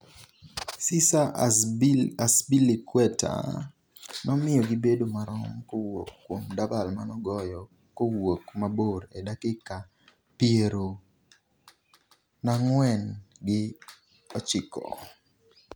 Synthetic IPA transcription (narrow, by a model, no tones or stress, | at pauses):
sɪsa | asbilikwɛtʰa̰ | nɔmɪjɔɡɪbedomaɾɔŋkookːwomdabalmanɔɡɔjɔ | kowokmaboɾedakɪka | pieɾo | naŋwɛnɡɪ | ɔt͡ʃɪkɔ̰